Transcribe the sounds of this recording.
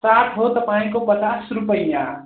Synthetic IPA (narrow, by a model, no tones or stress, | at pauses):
saʈʰɦot̪əpaĩkopət͡ʃasɾupəjjã